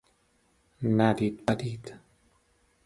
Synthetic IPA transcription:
nad̪iːt̪̚pad̪iːd̪

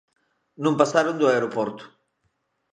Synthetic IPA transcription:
nũmpasaɾund̪uaeɾopoɾt̪u̥

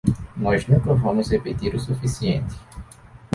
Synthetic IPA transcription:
nɔznũkɐvɐ̃mʊzhepet̪iɾʊsufisiẽnt̪ɪ̥

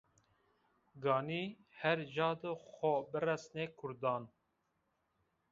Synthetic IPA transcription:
ɡɑːniː | hɛɾʒɑːd̪ɨxɔbɨrɛsneːkʰʊɾd̪ɑːn

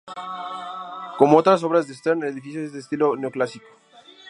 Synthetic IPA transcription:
ko̞moot̪ɾas̬o̞βɾazðest̪eɾneleðifis̬joezd̪est̪ilo̞ne̞oklasiko̥

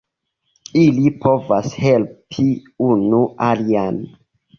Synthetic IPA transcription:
ilipʰo̞vashe̞lpʰiunualian

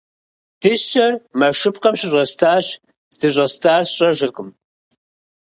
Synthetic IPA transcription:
ħʰiɕɕɐrmɐʃɨpqɐmɕɪɕʷʼɐstʰaːɕ | zdɨɕ̬ʷʼɐstʰaːrsɕʼɐʒɪrqəm

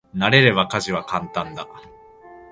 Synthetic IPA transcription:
naɾe̞ɾe̞βakaʑiβ̞akãnt̪ãnd̪a

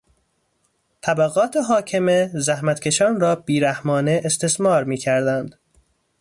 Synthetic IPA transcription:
t̪ʰæbæɣɒːt̪ʰeɦɒːcʰeme̞zæhmæt̪kʲʰe̞ʃɒːnrɒːb̥iːɾæhmɒːneʔːst̪e̞smɒːɾmiːcʰæɾd̪ænd̪̥

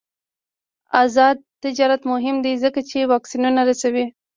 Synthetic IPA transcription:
azɑd̪̚t̪ɪd͡ʒɑɾat̪mʊɦɪmd̪izəkat͡ʃewɑksinunaɾasawi

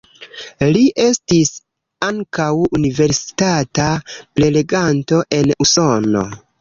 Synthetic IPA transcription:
liʔe̞stis | aŋkawunive̞ɾsi̥tatapɾe̞le̞ɡanto̞ʔe̞nuso̞no̞̰

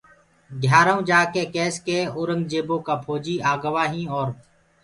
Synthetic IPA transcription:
ɖʱjaːɾaũːd͡ʒaːkeːkeːskeːʊːɾəŋɡd͡ʒeːboːkaːpʰoːd͡ʒiːaːɡəʋaːɦĩːɔːɾ

